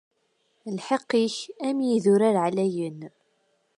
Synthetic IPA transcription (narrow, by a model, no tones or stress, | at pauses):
lħeqːiçæmjiðʊɾæɾʕlæjən